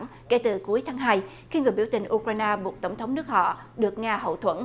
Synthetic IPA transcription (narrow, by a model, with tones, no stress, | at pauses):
ŋ | kḛ˧˩t̪ɨ˨˩ku˨˦əjt̪ʰaː˨˦ŋɦaː˧j | xi˧ŋɨ˨˩əjɓi˧˩əwt̪ï˨˩ŋ̟ʔu˧kɾwaː˧jnaː˧ɓu˨˩t̚t̪ə˧˩wŋ͡mt̪ʰə˨˦wŋ͡mnɨ˦˥k̚hɔ̰˧˨ | ɗɨ˨˩ək̚ŋaː˧ɦə̰˧˨t̪ʰwə̰˧˥n